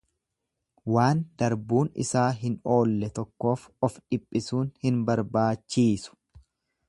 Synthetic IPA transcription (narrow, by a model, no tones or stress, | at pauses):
waːnd̪ɐɾbuːnɪ̰saːɦɪno̞ːlːɛt̪ɔkːo̞ːfɔfᶑɪpʼːɪsuːnhɪnbɐɾbaːt͡ʃːiːsʊ̥